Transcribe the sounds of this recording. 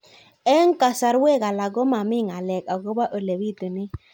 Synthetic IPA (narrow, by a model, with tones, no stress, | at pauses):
ɛ˦ŋ˦ka˨sa˨ɾwe˦˨ɣa˨la˨ɡo˦ma˨mɪ˦˨ŋa˨lɛ˨ka˨ɡo˦ba˦ʔo˨le˨wi˦˨tə˨nɪ˦